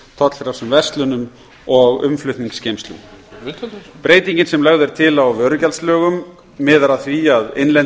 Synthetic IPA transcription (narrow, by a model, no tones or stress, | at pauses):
t̪ʰɔt̪l̥fɪɾḁsʏmvɛ̥st̪lʏnʏm | ɔɣʏ̰mflʏht̪niŋkscejmst̪lʏ̰ | pɾeːjt̪iɲcɪnsɛmlɛɣðʏɾ̥t̪ʰɪlawvœːɾʏcalslœːɣʏmː | ɪːðaɾaθviaðḛjnlɛn